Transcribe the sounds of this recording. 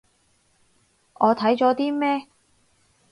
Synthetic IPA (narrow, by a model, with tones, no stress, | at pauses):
ɔː˨˧t̪ʰɐ˨˥jt͡ʃɔː˨˥t̪iː˥mɛː˥